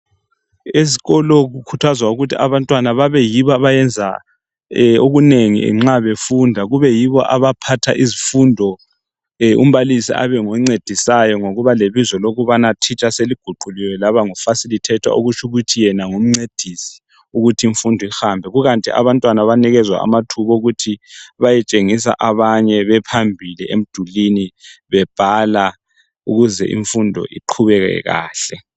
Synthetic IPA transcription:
eziɣɔlɔɣukʰutʰazwauɣutʰiaβantʼwanaβaβɛjiβɔaβajɛnd͡zʱa̰ | oɣuneŋḭɛ̰ŋ͡ǁaβefundʱaɣuβɛjiβɔʔa̰βapʰatʰaʔizifundʱɔ | ṵm̩βalisḭʔa̰βɛŋoŋ͡ǀed̥ʱisajɔŋoɣuβaleβizɔloɣuβanatʰit͡ʃʼaseliɡ̥ʱuɡ͡ǃʱuliwɛlaβaŋufasilitʰɛtʰwa̰ʔoɣut͡ʃʰuɣutʰijɛnaŋum̩ŋ͡ǀed̥ʱisi̥ | uɣutʰiiɱfundʱɔixambʱɛɣuɣantʼḭʔa̰βantʼwanaβaniɣɛzwa̰a̰matʰuβɔouɣutʰiβajɛt͡ʃʼeŋis̬a̰ʔaβaɲɛβɛpʰambʱiliʔḛm̩d̥ʱuliniβɛb̥ʱala | uɣuzɛ̰ʔḭɱfundʱɔ̰ʔḭǃʰuβɛɣɛ̰ɣa̰ːɬɛ

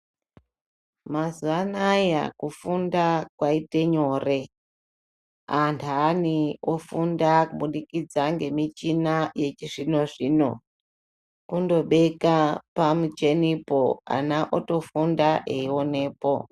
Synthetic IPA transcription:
mazuanaja̰kufundakwaite̞ɲo̞ːre̞ | antʰanio̞fundakuɓunikid͡zaŋɡe̞mit͡ʃinaje̞t͡ʃiʐino̞ʐino̞̰ | kundo̞ɓe̞kapamut͡ʃe̞nipo̞a̰naʔoto̞fundaʔeio̞ne̞ːpo̞

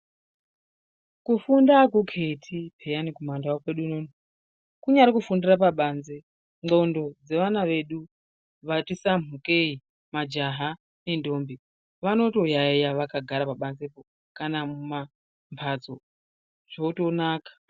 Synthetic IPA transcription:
kufundakukʰetʰipʰejanikumandaokweɗunoni | kuɲaɾekufundirap̬aɓanze | ŋ͡ǃondo̞d͡ze̞ʋanaʋe̞ɗu | ʋatisam̤uke̞i | mad͡ʒaɦa | ne̞ndo̞ːmbi | ʋano̞to̞jaijaʋakaɡʱaɾapaɓanzepo | kanamuma | mpʰat͡so | ʐ̥outo̞naːkḁ

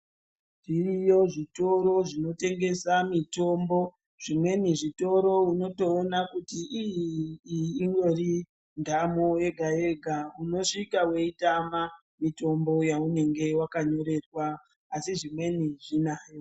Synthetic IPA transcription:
ʐirijo̞ʐito̞ɾo̞ʐino̞te̞ŋɡe̞samito̞mbo̞ | ʐ̥imwe̞niʐito̞ɾo̞uno̞to̞ːnakutiʔijiː | ŋɡe̞ri | ndʱamoe̞ɡʱae̞ɡʱauno̞ʂikawe̞itama | mito̞mbo̞jaune̞ŋɡe̞wakaɲo̞ɾe̞rwaː | siʐimwe̞niʐinaːjo

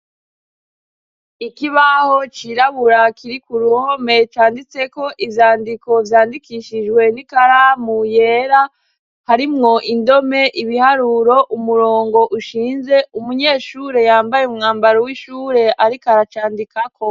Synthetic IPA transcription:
ikiβaho̞t͡ʃiɾaβuɾakiɾikuɾuhome̞t͡ʃaːndit͡se̞ko̞ʔivjaːndiko̞vjaːndikiʃiʒɡwe̞nikaɾamujeːɾa | haɾimŋo̞ʔindo̞me̞ʔiβihaɾuɾo̞ʔumuɾo̞ːŋɡo̞ʔuʃiːnze̞umuɲe̞ːʃuːɾe̞jaːmbajeumŋaːmbaɾowiʃuːɾe̞ʔaɾikaɾat͡ʃaːndikakʰo̞

